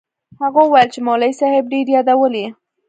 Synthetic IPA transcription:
haɣawajəlt͡ʃemolajsahɪb̚ɖeɾjɑd̪awəli

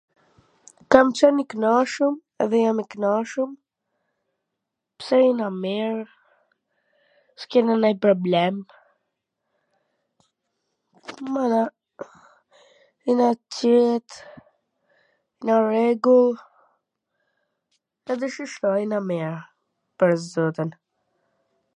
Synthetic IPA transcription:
kamt͡ɕɔniknaʃum | ɛ̰ðɛjamiknaʃum | psɛɾinamɛɾ | skɛnanajpɾɔblɛm | mana | inat͡ʃɛt̪ | inarɛɡulˠ | ɛd̪ɛʃiʃt̪ɔjnamiɾ | pəɾzɔt̪ən

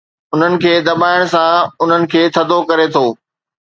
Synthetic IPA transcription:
ʊn̤ənɪ̆kʰeːd̪ɐɓaːɪɽ̃sãʊn̤ənɪ̆kʰeːt̪ʰɐd̪ʱokɐɾet̪ʰoː

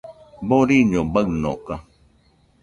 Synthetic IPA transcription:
boɾiɲõbəɰnõ̰ka

